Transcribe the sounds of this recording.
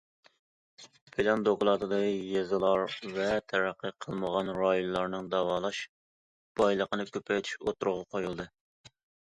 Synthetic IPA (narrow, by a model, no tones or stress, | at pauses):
pʰelɑnd̪oklˠɑt̪ʰɨd̪ɨijezɨlˠɑɾvɛt̪ʰɛɾæqːəqʰəlˠməʁɑnɾɑjonlˠɑɾnɨŋd̪ɑwɑːlˠɑʃ | b̥ɑjlˠəqənɨkʲʰøpʰɛjt̪ʰy̥ʃot̪ʰuɾʊʁɑqʰojulˠd̪ɨ